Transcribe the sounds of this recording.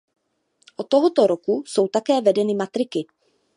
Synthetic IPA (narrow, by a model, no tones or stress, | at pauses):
ʔot̪ːoɦot̪o̞ɾokuso̞wt̪akɛːvɛdɛnɪmat̪ɾɪkɪ